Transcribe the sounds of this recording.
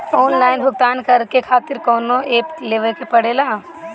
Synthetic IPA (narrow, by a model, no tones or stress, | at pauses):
oːnlaːɪnbʱʊɡt̪aːnkɐɾkekʰaːt̪ɪɾkɔːnoʔeːpleːʋəɾkepɐɽeːlaː